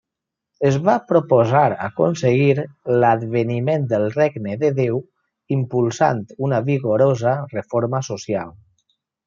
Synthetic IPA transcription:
əzβapɾopozaɾə̰ko̰nseɣiɾləd̪βənimend̪əlˠreɡnəðəðew | impulˠsa̰nt̪unəβiɣoɾozərəfoɾməsosia̰lˠ

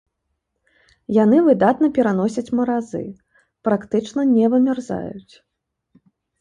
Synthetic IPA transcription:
jan̪ɨvɨd̪at̪nɐpʲɛɾan̪ɔsʲɐt͡sʲmɐɾazɨ̰ | pɾakt̪ɨt͡ʂnɐnʲɛvɐmʲarza̰jut͡sʲ

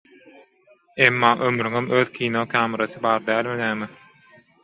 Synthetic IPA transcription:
emːɑːʔømɾyŋømøːðkʲʰiːnokʲʰæːmeɾɑθɯbɑːɾd̪æːlmed̪æːmi

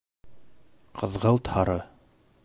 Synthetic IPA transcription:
qʰɤ̆ðʁɤlˠt̪hɑɾɤ

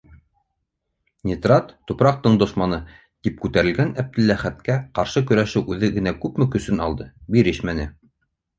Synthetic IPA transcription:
nʲit̪rɑt̪ːupɾɑq̚t̪ɤɴd̪ŏʃmɑnɤ | t̪ip̚kʉt̪æɾɘ̆lɡænæp̚d̪ɘ̆lːæχæt̪̚kæqɑɾʃɤkɵ̆ɾæʃɘwʔʉðɘɡɘ̆nækʉpmɘkɵ̆sɵnɑ̰lˠd̪ɤbiɾɘʃmænɘ

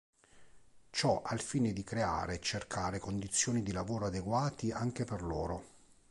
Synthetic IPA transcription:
t͡ʃɔʔalfiːned̪ikɾea̰ːɾet͡ʃːerkʰaːɾekond̪it̪sːjoːnid̪ilavoːɾoad̪eɡwaːt̪iaŋkeperlo̰ːɾo

